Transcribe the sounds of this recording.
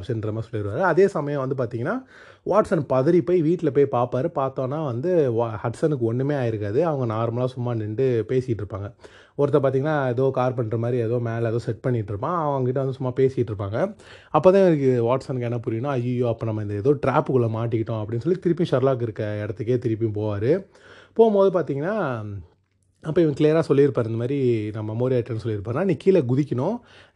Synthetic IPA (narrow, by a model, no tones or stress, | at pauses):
psɐnd̪ɾɐmaːsɔlːɯɪɾɯʋaːɾɯɐðeːsɐmɐjɐ̃ʋɐnd̪ɯp̬aːɾt̪iːŋɡɐnːaː | ʋaːʈsɐnpɐðɐɾipoːjʋiːʈːɪlɐp̬oːjpaːpaːɾɯpaːɾt̪õːnːaːʋɐnd̪ɯhɐʈsɐnɯkːɯɔɳːɯmeːaːjɪɾɯkːaːðɯɐʋɐŋɡɐnaːɾmɐɭaːsʊmːaːnːɪɳɖɯpeːsɪjɪʈːɪɾɯpːaːŋɡɐ | ɔɾɐt̪ːɐp̬aːɾt̪iŋɡɐnːaːɛðoːkaːɾp̬ɐɳːɾɐmaːd̪ɾiɛðoːmeːlɛðoːsɛʈ̚pɐɳːɪkːɪʈːɪɾɯpːãːɐʋɐŋɡɐkɪʈːɐʋɐnd̪ɯsʊmːaːpeːsɪjɪʈːɾɯpːaːŋɡɐɐpːoːt̪ãːkːʋaːʈsɐnkɛnːɐpʊɾɪɐɳʊ̃ɐjujoːɐpːɐːnɐmːɐɪnd̪ɐɛðoːʈɾaːpːɯkʊɭːɐmaːʈ̬ːɪkːɪʈːʊ̃ɐpːɐɽɪnːɯsɔlːit̪ɪɾɪp̬ːijʊ̃ʃɐɾlaːk̬ɪɾɯkːɐɛɽɐt̪ːɯk̬ːet̪ɪɾɪp̬ːijʊ̃poːʋaːɾɯ | poːɣmboːðɯp̬aːɾt̪iːŋɡɐnːaː | ɐpːoːɪʋɐ̃klijɐɾaːsɔlːiɪɾɯpːaːɾɐnd̪ɐmaːd̪ɾinɐmːɐmoːɾɪaːʈːɐnːɯsɔlːɪɾɯpːaːɾɯnːaːnĩːkːiːlɛɡʊðɪkʲːɐɳʊ̃